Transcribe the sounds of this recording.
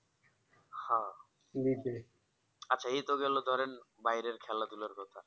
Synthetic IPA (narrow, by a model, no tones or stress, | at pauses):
hã | nite | atːɕʰaejt̪oɡɛlod̪ʱɔɾenbajɾeɾkʰɛlat̪ulaɾkɔt̪ʰa